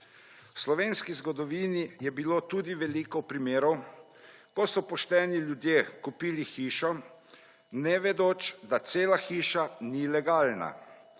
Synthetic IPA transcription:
wslɔʋeːnskizɡɔd̪ɔʋiːnijɛbiloːt̪uːd̪iʋɛliːkɔpɾimeːɾɔw | kɔsɔpɔʃt̪ɛniljud̪jeːkupiːlixiːʃɔ | nɛʋɛd̪oːt͡ʃd̪at̪seːlaxiːʃanilɛɡaːlna̰

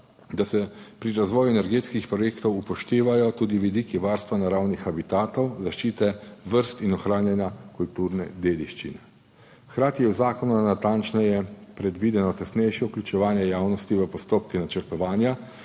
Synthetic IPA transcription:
d̪asɛpɾiɾazʋɔːjuɛnɛɾɡeːt̪skixpɾɔjeːkt̪ɔwupɔʃt̪eːʋajɔt̪uːd̪iʋid̪iːkiʋaɾst̪ʋanaɾawnixabit̪aːt̪owzaʃt͡ʃiːt̪ɛʋəɾst̪inɔxɾaːnjɛnjakult̪uɾnɛd̪eːd̪iʃt͡ʃḭnɛ | kɾaːt̪iɛwzaːkɔnunat̪ant͡ʃnɛjɛpɾɛd̪ʋiːd̪ɛnɔt̪ɛsnɛjʃjɛuklʲut͡ʃɛʋaːnjɛjaːwnɔst̪iʋəpɔst̪oːp̚kinat͡ʃəɾt̪ɔʋaːnja

